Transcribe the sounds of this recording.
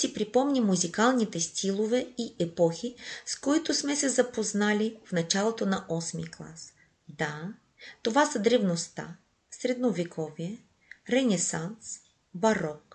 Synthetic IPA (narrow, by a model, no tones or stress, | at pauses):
sipɾipɔmnʲimːuzikalˠnit̪ɛst̪ʰʲilˠovɛiʔɛpɔxiskoit̪ʊsmɛsɛzɐpoznalʲifnɐt͡ʃalˠot̪onɐʔɔsmḭklˠa̰s | d̪a | t̪ovasɐd̪ɾɛvnost̪a̰ | sɾɛd̪novɛkʰɔviɛ | ɾɛnɛsans | bɐɾɔk